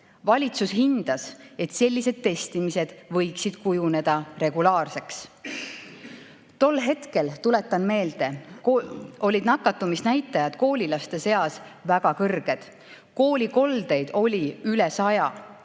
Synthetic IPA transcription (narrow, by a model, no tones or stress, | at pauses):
vɑlʲit̪susɦind̪̥ɑse̞t̪se̞lʲːise̞d̪̥̚t̪ːe̞st̪imise̞d̪̥vɤ̞jksid̪̥kujune̞d̪̥ɑɾe̞ɡ̥ulɑːrse̞ks | t̪o̞lːɦe̞t̪ke̞lt̪ule̞t̪ːˑɑnme̞ːld̪̥e̞ | o̞lʲːid̪nɑkːˑɑt̪ːumisnæjt̪ːˑɑjɑd̪̥ko̞ːlʲilɑst̪e̞se̞ɑsvæɡ̥ɑkɤrɡ̥e̞d̪̥ | ko̞ːlʲiko̞ld̪e̞jd̪̥o̞lʲiylesɑjɑ